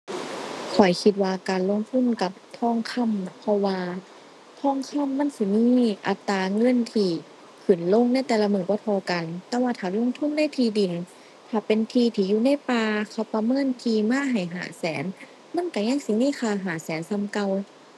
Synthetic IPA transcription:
kʰɔ˨˩jkʰi˧t̪̚waː˧kaː˨nlo˧˨ŋt̪ʰu˧˥˨nka˧˦p̚t̪ʰɔː˧˥˨ŋkʰa˧˥˨mpʰɔ˧waː˧ | t̪ʰɔː˧˥˨ŋkʰa˧˥˨mːa˧˥˨nsi˧˦miː˧˥˨ʔa˨˧˩t̪ːaː˨˧ŋɤ˧˥˨nt̪ʰiː˧ | kʰɯ˧˩˨nlo˧˥˨ŋna˧˥˨t̪ɛː˧˩la˧mɯː˧˩nbɔː˧˦t̪ʰɔː˧ka˨nt̪ɛː˧˦waː˧t̪ʰaː˨˩lo˧˥˨ŋt̪ʰu˧˥˨nːa˧˥˨jt̪ʰiː˧di˨˩˨n | t̪ʰaː˧˩pe˨nt̪ʰiː˧t̪ʰiː˧juː˧na˧˥˨jpaː˧kʰa˧˩wpa˧mɤː˧˥˨nt̪ʰiː˧maː˧˥˨ɦa˨˩jɦa̰ː˨˦sɛː˨˦n | ma˧˥˨nka˧˩ɲa˧˥˨ŋsi˧˦niː˧˥˨xʰaː˧˩ɦaː˨˩˦sɛː˨˦nsa˧˥˨mka˧w

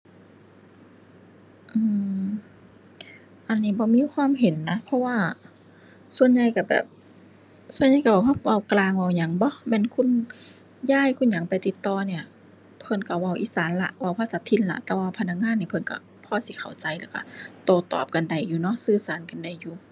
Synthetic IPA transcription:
ʔɯː˧˩ | ʔa˧˨nːiː˧˩bɔː˧˦miː˧˥˨kʰwaː˧˥˨mɦe˨˦nːa˧˥pʰɔ˧˥waː˧˩ | su˧ənɲa˧jka˧˩bɛ̰ː˨˩p̚ | su˧ə˨nɲa˧˩jka˧bɔː˧˩a˧˥˩wa˧˩wklaː˧ŋwa˧˩˨wɲa˨˦ŋbɔ˧˦mɛː˧˥˨nkʰu˧˥˨n | jaː˧˥˨jkʰu˧˥˨nɲa˨˦ŋpa˨jt̪i˨˧˩t̪ːɔː˧˩ni˧˩ɐ | pʰɤ˧˨nka˧˩wa˧˩wʔiː˧˩saː˨˦nla̰˧ʔwa˧˩wpʰaː˧saː˨˦t̪ʰi˧˥nla̰˧˩ʔt̪ɛː˧˦waː˧˩pʰa˧nːa˧k̚ŋaː˧˥˨nːiː˧pʰɤ˧˨nka̰˧˩ | pʰɔː˧˩si˧˦kʰa˨˩wt͡ɕa˨˦jlɛ˧˩wka̰˧˩t̪oː˧˩t̪ɔ̰ː˨˩p̚ka˨nda˨˩jːuː˨˧nɔ˧˥sɯː˧˩saː˨˦nka˨nda˨˩jːuː˧˩

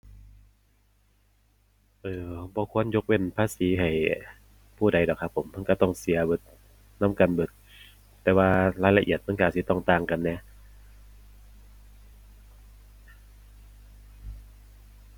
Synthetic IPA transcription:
ʔɤː˧˩bɔː˧˦kʰu˧˥˨ənjo˧k̚we˧˩˨npʰaː˧˥˨siː˨˦ɦa˨˩j | pʰuː˧˩da˨˦jdɔː˨˩kʰa˧pʰːo˨˩˦ma˧˨ka˧˩t̪ɔ˧˩ŋsi˨˦ɐbɯ˧˩t̪̚ | na˧˥˨mka˧˨nbɯ˧˩t̪ | t̪ːɛː˧waː˧laː˧˥jla˧ʔi˨˩ət̪̚ma˧˥˨kaː˧˩si˧˦t̪ɔ˧˩ŋt̪aː˧˩˨ŋka˧˨nːɛ˧˦

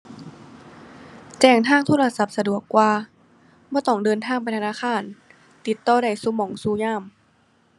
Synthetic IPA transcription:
t͡ɕɛː˧˩ŋt̪ʰaː˧˥˩ŋt̪ʰoː˧˥˩la˧sa˧˦p̚sa˧du˨˩əkːwaː˧ | bɔː˧˩t̪ɔ˧˩ŋdɤː˧nt̪ʰaː˧˩ŋpa˧jt̪ʰa˧naː˧˩xʰaː˧˩˨n | t̪i˨˦t̪ːɔː˧˩da˧˩jsuː˧˦mɔː˩˦ŋsuː˧˦ɲaː˧˥˩m

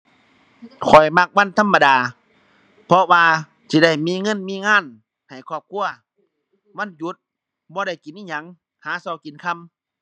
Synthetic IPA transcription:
kʰɔ˨˩jma˧k̚wa˧˥˨nt̪ʰa˧˥˨mːa˧daː˨ | pʰɔ˧waː˧ | sʰi˧˦da˧˩jmiː˧˨ŋɤ˧˥˨nmiː˧˥˨ŋaː˧˥˨n | ha˨˩jkʰɔː˧˩p̚kʰu˧˨ɐ | ma˧˥˨nju˨˧˦t̪̚ | bɔː˧ɾa˧˩jki˨˦nʔiː˧˩ɲa˨˧˦ŋ | haː˨˦sɔ˧˦wki˨˦nkʰa˧˨m

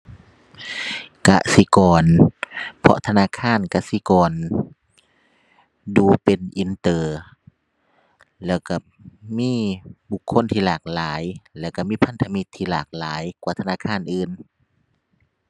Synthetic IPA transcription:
ka̰˧si˧˦kɔː˨˩n | pʰɔ̰˧t̪ʰa˧naː˧˥˨kʰaː˧˥˨nka˧˨si˧˦kɔː˨n | duː˨˩pe˨nʔi˨nt̪ɤː˨˩ | lɛː˧˩wka˧˩ | miː˧˥˨bu˧kʰːo˧˥˨nt̪ʰiː˧laː˨˩k̚laː˨˦jlɛː˧˩wka˧˩miː˧˥˨pʰa˧˥nt̪ʰa˧mi˧t̪ʰːiː˧laː˨˩k̚laː˨˦jkwaː˧˩t̪ʰa˧naː˧˥˨kʰaː˧˥˨nʔɯː˨n

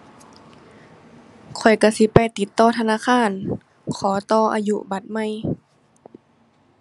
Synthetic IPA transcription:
kʰɔ˨˩jka˧˩si˧˦pa˧jt̪i˨˦t̪ːɔː˧˩˨t̪ʰa˧naː˧˥˨kʰaː˧˥˨n | kʰɔː˩˦t̪ɔː˧˨ʔa̰ː˧ju˧ba˨˦t̪̚ma˧˥˨j

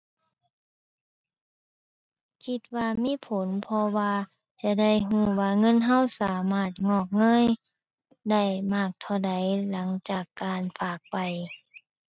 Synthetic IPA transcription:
kʰi˧t̪̚waː˧miː˧˥˨pʰo˨˦npʰɔ˧waː˧ | t͡ɕa˧˨da˥˩jɦũː˧˩waː˧ŋɤ˧˥˨nɦa˧˥˩wsaː˨˦maː˧˩t̪̚ŋɔː˧˩k̚ŋɤː˧˥˨j | da˧˥˩jmaː˧˩k̚t̪ʰa˧˩wda˨˦jla˩˦ŋt͡ɕaː˨˩kːaː˨˧nfaː˨˩k̚pa˨˩j

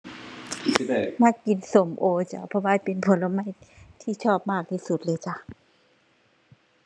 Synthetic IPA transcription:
na˧˥˩ki˨˧nso˨˩˦mʔoː˧t͡ɕa̰˧˩pʰɔ˧waː˧˥˨pe˧npʰo˨˦nla˧ma˧˥˨jt̪ʰiː˥˩˨t͡ɕʰɔː˥˩p̚maː˥˩k̚t̪ʰiː˧˩su˨˩t̪̚lɤː˧˦jt͡ɕa˧ʔ

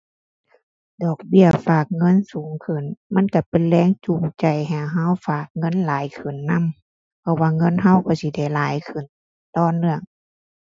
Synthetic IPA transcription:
dɔː˨˩k̚bi˧˩˨ɐfaː˨˩k̚ŋɤ˧˥˨nsuː˨˦ŋkʰɯ˧˩˨nma˧˥˨nka˧˩pe˨nlɛː˧˥˨ŋt͡ɕu˧˩ŋt͡ɕa˧˩jɦaː˧˩ɦa˧˥˨wfaː˨˩k̚ŋɤ˧˥˨nlaː˨˦jkʰɯ˨˩nːa˧˥˨m | pʰɔ˧˨waː˧ŋɤ˧˥˨nɦa˧˥˨wka˧˩si˧˦da˧˩jlaː˨˦jkʰɯ˨˩˨n | t̪ɔː˧˩˨nɯ˧˨əŋ

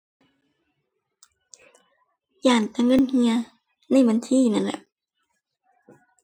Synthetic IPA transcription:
jaː˨˩nt̪a˧ŋɤ˧˥˨nhi˧ɐ | na˧˥˩jba˧nt̪ʰiː˧˥˨na˧˥˨nla̰˧˨p̚

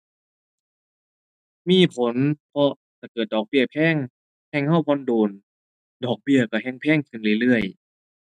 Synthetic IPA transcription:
miː˧˥˨pʰo˨˦npʰɔ˧ | kʰa˧˩kɤː˨˩t̪̚dɔː˨˩k̚bi˧˩əpʰɛː˧˥˩ŋ | hɛ˧˩ŋha˧˥˩wpʰɔ˧˥˨nduː˨˩n | dɔː˨˩k̚bi˧˩əkɔ˧˩ɦɛ˧˥˨ŋpʰɛː˧˥˨ŋkʰɯ˧˩nlɯ˧˩˨lɯ˧˩əj

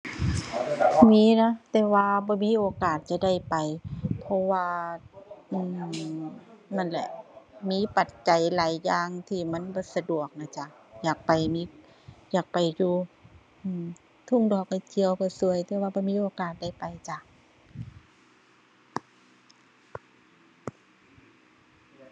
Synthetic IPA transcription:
miː˧˥˨na˧˥t̪ɛː˧waː˧bɔː˧˦miː˧˥˨ʔoː˨˦kaː˨˩t̪̚t͡ɕa˧˨da˧˥˩jpa˨˩jpʰɔ˧waː˧ | ʔɯː˧˩ | ma˧˥˨nlɛ̰˧ʔmiː˧˥˨pa˨˩t̪̚t͡ɕa˨jlaː˨˦jːaː˧ŋt̪ʰiː˧˩ma˧˥˨nbɔː˧˦sa˧du˨˩ək̚na˧˩t͡ɕa˧˩ | jaː˨˩k̚pa˨˩jmiː˧˥ | jaː˨˩k̚pa˨˩jjuː˧ | ʔɯː˧˩m | t̪ʰu˧˥˨ŋdɔː˨˩k̚ha˧˩k̪ʰi˧əwkɔ˧˩su˧əjt̪ɛː˧˦waː˧bɔː˧˦miː˧˥˨ʔoː˨˧kaː˨˩t̪̚da˥˩jpa˨˩jt͡ɕa˧

